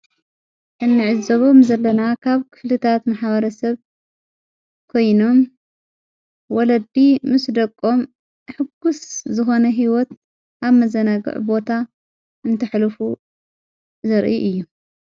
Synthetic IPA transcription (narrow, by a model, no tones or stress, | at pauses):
ʔɨnːɨʕɨzoβomzɐlːɐnakʰaβkʰɨ̥flɨt̪ʰat̪maħβɐɾɐsɐβ | kʰo̞jno̞m | wɔlɐd̪imɨsd̪ɐkʼːo̞m | ħɨɡuszɨxo̞nɐɦiwɔt̪ | ʔaβmɐzɐnaɡɨ̰ʕbo̞t̪ʰa | ʔɨnt̪ʰɐħlfu | zɐɾʔiʔɨjːu